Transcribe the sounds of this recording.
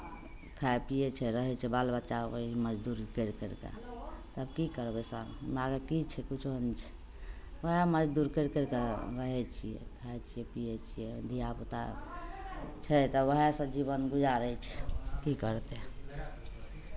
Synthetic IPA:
kʰapijet͡ʃʰɛɾəɦɛt͡ʃʰɛbalbətːʃaiməd͡ʒd̪uɾkəɾkəɾkḛt̪əbkikəɾbɛsəɾnaɡekit͡ʃʰɛkut͡ʃʰont͡ʃʰɛ̥ | əɦeməd͡ʒd̪uɾkəɾkəɾkeɾəɦɛt͡ʃʰijɛ̰kʰaet͡ʃʰijɛpijɛt͡ʃʰijɛd̪ʱijaput̪a̰ | t͡ʃʰɛt̪ɔʋəɦesə̃d͡ʒibənbud͡ʒaɾəɛt͡ʃʰɛkikəɾt̪e

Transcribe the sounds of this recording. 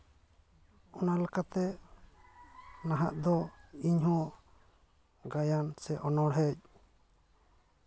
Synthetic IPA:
ɔnalakat̪ɛ | naɦa̰ʔd̪ɔiɲhɔ̃ | ɡajansɛʔɔnɔɽɦɛc̚

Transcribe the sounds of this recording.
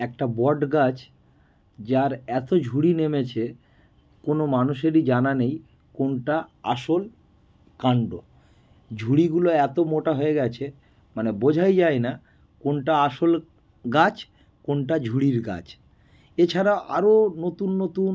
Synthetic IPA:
ɛk̚ʈabɔɖɡat͡ɕ | d͡ʑaɾɛt̪od͡ʑʱuɽinemet͡ɕʰe | konomanuʃeɾid͡ʑananej | konʈaa̰ʃol | kaɳɖo | d͡ʑʱuɽiɡuloɛt̪omoʈaɦoeɡɛt͡ɕʰe | manebod͡ʑʱajd͡ʑaena | konʈaaʃol | ɡat͡ɕ | konʈad͡ʑʱuɽiɾɡa̰t͡ɕʰ | et͡ɕʰaɾaʔaɾonot̪unːot̪un

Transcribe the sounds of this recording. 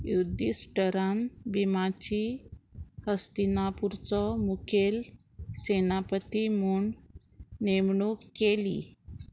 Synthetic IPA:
jud̪isʈəɾanbimat͡ɕi | həst̪inapuɾt͡sɔmukʰel | senapət̪imuːɳ | nemɳukːelḭ

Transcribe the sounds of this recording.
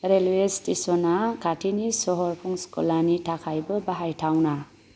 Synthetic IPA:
ɾelwestisɔnakʰatʰinisɔɦɔɾpʰuŋskɔlanitʰakʰajbɯbaɦajtʰawna

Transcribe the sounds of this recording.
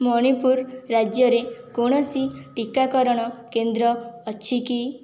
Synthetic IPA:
mɔɽ̃ipuɾɾad͡ʒjɔɾekoɽ̃ɔsiʈikakɔɾɔɽ̃ɔkend̪ɾɔːt͡ʃʰiki

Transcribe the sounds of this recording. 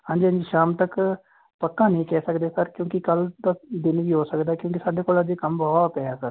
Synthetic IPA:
ɦãːɲd͡ʒiːə̃nd͡ʒiʃaːmt̪ək | pəkːãːnĩːkɛːsəkd̪eːsəɾkjõːkɪkəld̪aːd̪ɪnʋiːɦoːsəkd̪aːkjõːkɪsaːɖeːkoːlad̪eːkəmbɔːt̪ɛːaːsəɾ

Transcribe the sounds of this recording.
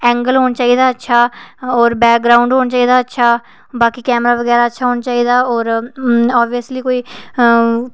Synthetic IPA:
ɛ̃ːŋɡəlɦoːnat͡ʃaːiːd̪aːətːʃʰaːɔːɾbɛːk̚ɡɾaːʊ̃ɳɖɦoːnat͡ʃaːiːd̪aːətːʃʰaː | baːkiːkɛːmɾaːʋəɡɛːɾaːətːʃʰaːɦoːnat͡ʃaːiːd̪aːɔːɾaːbijəsliːkoːiː

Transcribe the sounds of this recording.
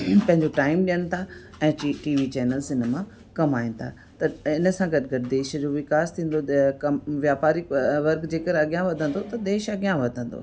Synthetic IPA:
pɐ̃ɦɪ̃ɲd͡ʑoʈaːɪmɗijəñɪ̆t̪ʰa | ɛ̃ːʈiːʋit͡ɕɛːnəlsɪnə̆mã | kɐmaːĩnɪ̆t̪ʰa | t̪ɐɪnə̆sãɡɐʈɡɐʈɪd̪eːʃd͡ʑoʋɪkaːst̪ʰĩːn̆d̪okɐmʋjaːpaːɾiʋɐɾɡd͡ʑeːkəɾɐɡjãʋɐd̪ʱə̃nd̪ot̪ɐd̪eːʃɐɠijãʋɐd̪ʱə̃nd̪o̰ː

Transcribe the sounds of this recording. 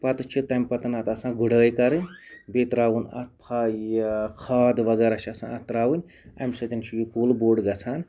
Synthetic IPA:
pɐt̪ɨt͡ʃʰit̪ɐmʲpɐt̪ɐnɐt̪ɐsãːɡuɽəːjkɐɾɨnʲbet̪ɾaːwunɐ̰t̪̚pʰaːjkʰaːd̪ʋɐɡɐɾat͡ʃʰɐsã̰ɐt̪ɾaːwunʲ | ɐ̰mʲsɐtɐnt͡ʃʰijukuːlboːɖɡɐt͡sʰaːn

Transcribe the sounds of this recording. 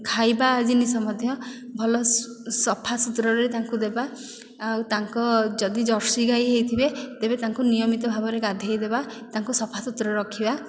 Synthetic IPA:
kʰajbaːd͡ʒinisɔmɔd̪ʱjɔbʱɔlɔ | sɔpʰasut̪ɾɔɾet̪aŋkud̪ebaː | wt̪aŋkɔd͡ʒɔd̪id͡ʒɔɾsiɡajɦejt̪ʰibet̪ebet̪aŋkunijɔmit̪ɔbʱabɔɾeɡad̪ʱjajd̪eba | t̪aŋkusɔpʰasut̪ɾɔɾeɾɔkʰiba

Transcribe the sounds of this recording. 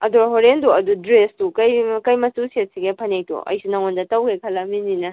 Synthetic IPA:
ɐdoɾɦoɾenduɐdudɾestukɐjkɐjmɐtuset̚siɡepʰɐnejtṵʔɐ̰jsunɐŋondɐtɐwɡekʰɐlɐmininɐ

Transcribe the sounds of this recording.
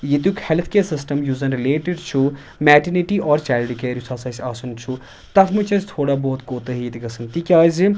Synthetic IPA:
jet̪jukhelt̪ʰkeːsisʈɐmjuːzɐnɾileːʈeɖt͡ʃʰu | mɛːʈiniʈiʔɔːɾt͡ʃɛːlɖikeːɾisaːsɐsʲaːsunt͡ʃʰu | t̪ɐt̪ʰmut͡ʃʰɐst̪ʰoːɽabɔːt̪koːt̪əɦit̪ʰɡɐsɐnt̪ikʲaːzi

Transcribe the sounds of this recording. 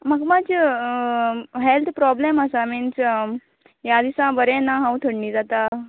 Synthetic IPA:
məɡmad͡ʑ | ɦelt̪ʰpɾɔbleməsamins | jad̪isãbəɾẽnaɦãwt̪ʰəɽniːd͡zat̪a

